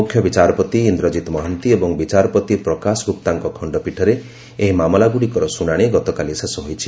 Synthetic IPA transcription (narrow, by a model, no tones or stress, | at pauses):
ukʰjɔbit͡ʃaɾɔpɔt̪iind̪ɾɔd͡ʒit̪mɔɦɔnt̪iebɔŋbit͡ʃaɾɔpɔt̪ipɾɔkasɔɡup̚t̪aŋkɔkʰɔɳɖɔpiʈʰɔɾe | eɦimamɔlaɡuɽikɔɾɔsunaɽ̃eɡɔt̪ɔkalisesɔɦojt͡ʃʰi̥